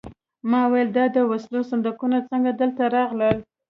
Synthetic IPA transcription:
mɑwajəld̪ɑd̪əwaslosand̪akunot͡səŋɡad̪əlt̪aɾɑɣləl

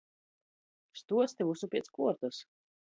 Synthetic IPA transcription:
st̪uɔt̪sʲt̪ʲevusupʲiɛt̪skuɔɾt̪as

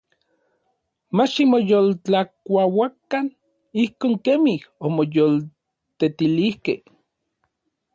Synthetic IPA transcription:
mat͡ʃimojolt͡ɬakʷawakːan | ihkoːŋkemihomojol | t̪et̪ilihkeh

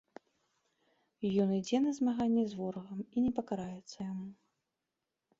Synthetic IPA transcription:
jɔnid͡zʲɛnɐzmaɣanʲːɛzvɔɾɐɣɐminʲɛpɐkaɾajɛt̪sːɐjamu

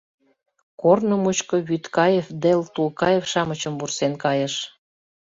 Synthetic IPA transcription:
kornomut͡ɕkoβyt̪kɑjefd̪elt̪ukɑjefʃɑmət͡ɕə̆mvursenkɑjəʃ

